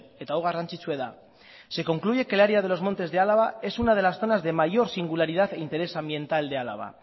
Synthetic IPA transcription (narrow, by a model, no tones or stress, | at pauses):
et̪awɣ̞arant͡ʃit͡ʃwe̞ða | se̞ko̞ŋkluʝe̞kelaɾeað̞elo̞zmo̞nt̪e̞zðe̞alaβ̞ae̞sunað̞e̞lasθo̞nazðe̞maʝo̞ɾsiŋɡulaɾið̞aθe̞int̪e̞ɾe̞sambje̞nt̪ald̪e̞ala̰β̞a̰